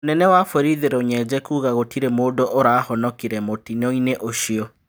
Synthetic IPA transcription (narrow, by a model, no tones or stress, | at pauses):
onɛnɛwafoɾiðeɾɛoɲɛd͡ʑɛkuːɣaɣotiɾɛmoːdoʔoɾaːhɔnɔkiɾɛmotinɔineʔoɕiɔ